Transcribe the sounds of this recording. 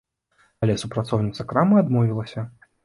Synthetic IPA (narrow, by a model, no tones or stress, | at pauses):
alʲɛsupɾat̪sɔwnʲit̪sɐkɾamɨad̪mɔvʲilˠɐsʲɐ